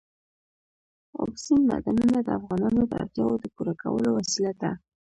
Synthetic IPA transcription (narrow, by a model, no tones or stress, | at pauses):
wɑ̰ksinma̰d̪anunad̪əafɣɑnɑnod̪əa̰ɾt̪jɑwod̪əpuɾaka̰wəlowasilad̪a